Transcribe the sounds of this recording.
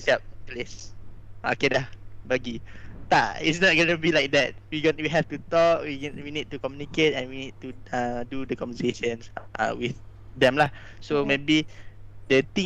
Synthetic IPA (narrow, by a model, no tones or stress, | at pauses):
siap̚ples | o̰kedahbaɡit̪aḭtsnɔt̚ɡonubilaɪk̚dɛt̚wiɡonwiɦɛftut̪ɔkwiwinid̚tːukɔmjuniket̚ɛ̃nwinid̚tuãdudəkɔ̃mvəseʃə̃nsʔa̰wiθ | dɛ̃mlah | somebidət̪ĩ